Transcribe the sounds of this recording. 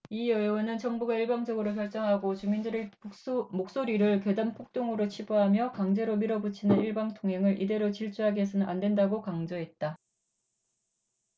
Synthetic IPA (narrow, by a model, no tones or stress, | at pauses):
iʌjwʌnɯnt͡ɕʌŋbuɡaiɭbaŋd͡ʑʌɡɯɾokjʌɭt͡ɕ͈ʌŋɦaɡot͡ɕumindɯɾe | mok̚s͈oɾiɾɯɭkjedampʰok̚t͈oŋɯɾot͡ɕʰiboɦamjʌkaŋd͡ʑe̞ɾomiɾʌbut͡ɕʰinɯniɭbaŋtʰoŋɦe̞ŋɯɾʔide̞ɾot͡ɕiɭt͡ɕ͈ʰuɦaɡies̬ʰʌnɯnʔandwe̞ndaɡokaŋd͡ʑʌɦe̞t̚t͈a